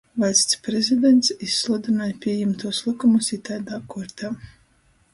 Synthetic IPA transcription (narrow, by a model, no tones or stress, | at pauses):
vajsʲt̪sʲpɾezʲid̪ent̪sisːlˠud̪inaːjpʲiɛjɛmt̪uɔslˠɨkumusit̪aːd̪aːkuɾt̪ʰaː